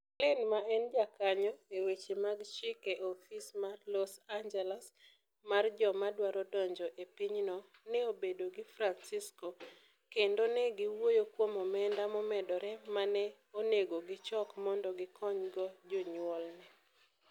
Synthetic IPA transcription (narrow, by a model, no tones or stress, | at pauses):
lɪnmaɛnd͡ʒakaɲɔewet͡ʃemaɡt͡ʃɪkeʔɔfismalɔsand͡ʒɛlas | mard͡ʒɔmadwaɾɔdɔɲd͡ʒɔʔepiɲnɔ | nɛobedoɡɪfɾansɪsko | kendonɛɡiwojokwomɔmɛndamɔmɛdɔɾɛmanɛ | oneɡoɡɪt͡ʃɔkmɔndɔɡɪkʰɔɲɡɔd͡ʒɔɲwɔlnɛ